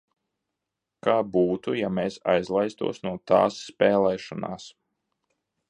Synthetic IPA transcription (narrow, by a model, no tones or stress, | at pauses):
kaːbuːt̪ujameːsajzlˠajst̪ṵɔsnuɔt̪a̰ːsːpeːlˠɛːʃɔna̰ːs